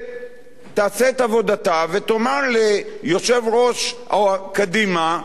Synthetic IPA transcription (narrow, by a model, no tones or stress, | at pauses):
t̪aːseːt̪avo̞dat̪avet̪omaʁlejo̞ʃe̞vʁo̞ʃakadima